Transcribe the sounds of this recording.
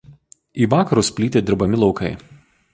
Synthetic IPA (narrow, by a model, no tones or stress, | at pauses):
iːʋɑːkɐɾusʲpʲlʲiːt̪ʲeːd̪ʲɪɾbɐmʲɪlˠɒʊkɐɪ